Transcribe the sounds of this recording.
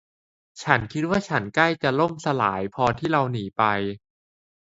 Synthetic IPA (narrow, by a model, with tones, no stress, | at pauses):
t͡ɕʰa˦˥nkʰi˦˥t̪̚waː˥˩t͡ɕʰa˦˥nkla˥˩jt͡ɕa˨˩lo˥˩msa˧la̰ː˩˦jpʰɔː˧t̪ʰiː˥˩ɾa˧wniː˩˦pa˧j